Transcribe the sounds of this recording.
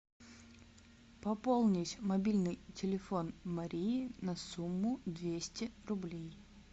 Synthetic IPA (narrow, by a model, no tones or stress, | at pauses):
pɐpolˠnʲɪtʲmɐbʲilʲnɨjtʲɪlʲɪfo̞nmɐɾʲiːnɐsumːʊd̪vʲesʲtʲɪrʊblʲej